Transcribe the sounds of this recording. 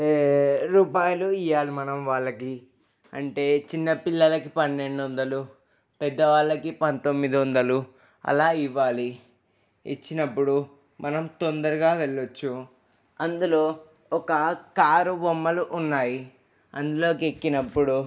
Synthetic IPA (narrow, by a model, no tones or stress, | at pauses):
ɾuːpaːjɐluijːaːlimɐnɐmʋaːɭːɐki | ɐɳʈe̞ːt͡ʃinːɐpilːɐlɐkipɐnːe̞ɳɖond̪ɐlu | pɛd̪ːɐʋaːɭːɐkipɐnt̪o̞mːid̪iond̪ɐlu | ɐ̰laːiʋːaːli | ḭt͡ʃːinɐpːuɽu | mʔɐnɐmt̪o̞nd̪ɐɾuɡaːʋeɭːot͡ʃːu | ɐnd̪ulo̞ː | ɔkɐkaːɾubomːɐluʔːnːaːji | ɐnd̪ulo̞ːkekːinɐpːuɽu